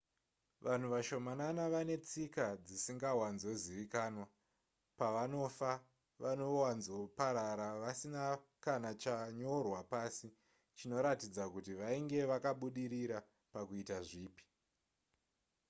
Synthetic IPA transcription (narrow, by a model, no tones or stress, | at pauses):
ʋʔan̤uʋaʃo̞mananaʋane̞t͡sikad͡zisiŋɡawanzo̞ziʋikaːnwa | paʋano̞fa | ʋano̞wanzo̞paɾaɾaʋasinakanat͡ʃaɲo̞rwapasi | t͡ʃino̞ɾatid͡zakutiʋaiŋɡe̞ʋakaɓuɗiɾiɾa | pakuitaʐiːpi̥